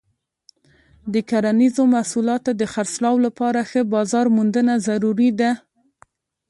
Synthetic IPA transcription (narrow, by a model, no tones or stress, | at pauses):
d̪əkaɾanizomasulɑt̪od̪əxaɾslɑwlapɑɾaxəbɑzɑɾmund̪ənazaɾuɾid̪a